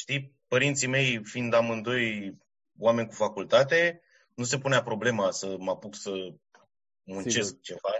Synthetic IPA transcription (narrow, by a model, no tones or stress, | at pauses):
ʃt̪ipəɾint̪sime̞jfind̪amɨnd̪o̞j | wame̞nʲkufakult̪at̪e̞ | nus̬e̞puneapɾo̞ble̞masəmapuksə | munt͡ʃe̞sk̚t͡ʃe̞va